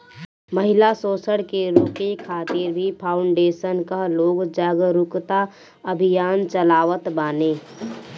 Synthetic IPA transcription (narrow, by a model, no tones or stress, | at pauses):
məɦɪlasoːsəɽkeɾoːkekʰaːt̪ɪɾbʱipʰaːʊɳɖeːʃənkaɦloːɡd͡ʒaːɡɾʊkt̪a | əbʱijaːnt͡ʃəlaːʋət̪baːneː